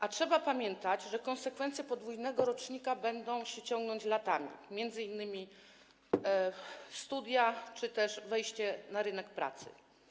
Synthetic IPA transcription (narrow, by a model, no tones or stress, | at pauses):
ʔatʂɛbapamʲjɛnt̪ad͡ʑʐɛkɔnsɛkfɛnt̪sjɛpɔd̪vujnɛɡɔɾɔt͡ʂɲikabɛnd̪ɔ̃w̃ɕɛt͡ɕɔŋɡnɔɲt͡ɕlat̪amʲḭmʲjɛnd̪zɘinːɘmʲi | st̪ud̪ʲjat͡ʂɘt̪ɛʂvɛjɕt͡ɕɛnaɾɘnɛkpɾa̰t̪sɘ̰